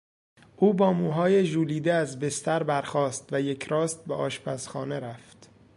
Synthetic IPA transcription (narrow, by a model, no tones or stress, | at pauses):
ʔuːbɒːmuːɦɒːjeʒuːliːd̪eæzbest̪æɾbæɾxɒːst̪væjecʰɾɒːst̪̚beʔɒːʃpʰæsxɒːne̞ɾæft̪